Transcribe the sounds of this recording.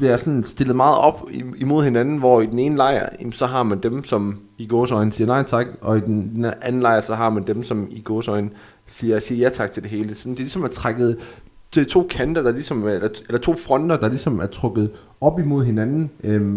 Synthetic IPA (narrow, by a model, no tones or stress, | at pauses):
ʋiæɐsɒ̽nsd̥e̝lð̩ˠmɑ̈ːð̞̩ˠɒ̽b̥imo̝ð̞̰ˠhe̝nænn̩ʋɒ̰id̥ene̝ːnəlɑ̈ɪ̰ɐsɒ̽ɦɑ̈mænd̥emsɒ̽m | iɡ̥oːsɒ̽ɪn̩sḭːɐnɑ̈ɪ̰t͡sʰɑ̈ɡ̥ɒ̽id̥en̥enʔænn̩lɑ̈ɪ̰ɐsɒ̽ɦɑ̈mænd̥emsɒ̽miɡ̥oːsɒ̽ɪn̩ | siːɐsiːɐjæt͡sʰɑ̈ɡ̥̚t͡sʰe̝ld̥e̝ɦe̝ːləsɒ̽nd̥ilisɒ̽mæɐt͡sʰʁaɡ̥ð̞̩ˠ | t͡sʰo̝̰ːkʰænd̥ɐd̥ɑ̈lisɒ̽melɐelɐt͡sʰo̝̰ːfʁɒ̽n̰d̥ɐd̥ɑ̈lisɒ̽mæɐt͡sʰʁɔ̽ɡ̥ð̩ˠ | ɒ̽b̥imo̝ð̞̰ˠɦe̝nænn̩ø